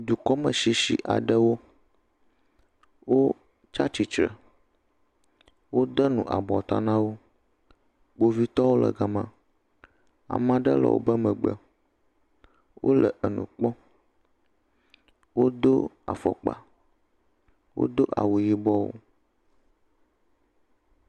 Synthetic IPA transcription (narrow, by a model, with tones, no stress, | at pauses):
d̪u˨kɔ˦mə˨ʃi˦ʃi˨ʔa̰˨ɖə˦wo˦ | wo˦ | t͡ʃa˦t͡ɕi˨t͡ʃɾə˨ | wo˦d̪ə˦nũ˨ʔa̰˨bɔ˨t̪a˦nã˦wo˦ | k͡po˦vi˦t̪ɔ˦wo˦lə̰˨ɡa˨mã˨ | a̰˨mã˨ɖə̰˦lɔ̰˨wʔo̰˦bə˦mə̃˨ɡ͡bə̰˨ | wʔo̰˦lə̰˨ʔə˨nũ˨k͡pɔ˦ | wo˦d̪o˦ | a̰˨fɔ̰˨k͡pa̰˨ | wo̰˦d̪o˦ʔa̰˨wu˨ji˦bɔ˦wo̰˦